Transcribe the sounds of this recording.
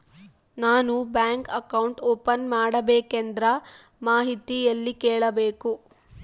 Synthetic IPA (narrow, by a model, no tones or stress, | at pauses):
naːnubjaːŋkɐkɐwɳʈoːpɐnmaːɽɐbeːkend̪ɾɐ | maːɦit̪ijɐlːikeːɭɐbeːku